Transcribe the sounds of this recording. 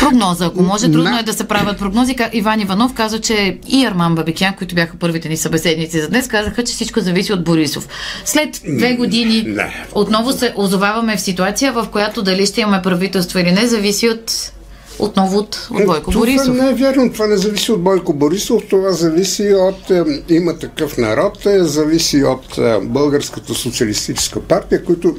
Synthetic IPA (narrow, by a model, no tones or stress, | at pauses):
pɾoɡnɔzəːkomɔʒɛt̪ɾud̪noɛd̪ɐsɛpɾavʲjɐt̪̚pɾoɡnɔzikaʔivanivɐnɔfkazvət͡ʃɛiɐɾmanbɐbikʲiankoit̪ʊbjaxəpɤɾvit̪ɛnisɐbɛsɛd̪nit̪sizɐd̪nɛskazəxət͡ʃɛ̥sit͡ʃkozɐvisiod̪̚boɾiso̰fslɛt̪d̪vɛɡod̪inid̪ɛ̰ot̪nɔvosɛʔozovavɐmɛfsit̪uat̪sijəvɐfkojat̪od̪ɐliʃt̪ɛimɐmɛpɾɐvit̪ɛlˠst̪voilinɛzɐvisiot̪ | o̰t̪nɔvot̪o̰d̪bɔjkooɾisanɛɛvʲjaɾnot̪ovanɛzɐvisiod̪̚bɔjkoboɾisoft̪ovazɐvisiot̪imɐt̪ɐkɤfnɐɾɔt̪zɐvisiot̪bɤlˠɡəɾskət̪əsot̪siɐlist̪it͡ʃɛ̥skəpaɾt̪ijəkoit̪ʊ